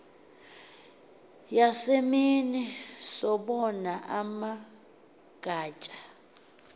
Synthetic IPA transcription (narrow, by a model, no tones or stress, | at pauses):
jaseminisɔɓɔnaʔama | ɡ̥ʱaːt͡ʃʼḁ